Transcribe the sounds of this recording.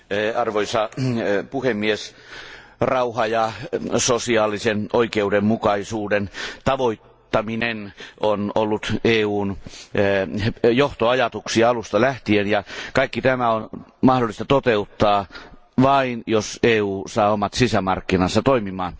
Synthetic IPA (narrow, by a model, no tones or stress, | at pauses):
ɑrʋoisɑpuhemːies | rɑuhɑjɑsosiɑːlisenoikeudemmukɑisuːdent̪ɑʋoit̪ːɑminenonolːut̪eːuːn | joht̪oɑjɑt̪uksiɑɑlust̪ɑlæht̪ienjɑkɑikːit̪æmæonmɑhdolist̪ɑt̪ot̪eut̪ːɑː | ʋɑinjoseːuːsɑːomɑt̪sisæmɑrkːinɑsːɑt̪oimimɑːn